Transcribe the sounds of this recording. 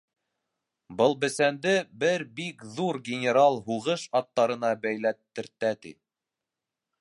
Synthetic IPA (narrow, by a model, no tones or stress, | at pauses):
bɤlˠbɘ̆sænd̪ɘbɘɾbikðuɾɡʲɪnʲɪɾalˠɦuʁɤʃɑt̪ːɑɾɤ̆nɑbæjlæt̪ːɘ̆ɾt̪ːæt̪ḭ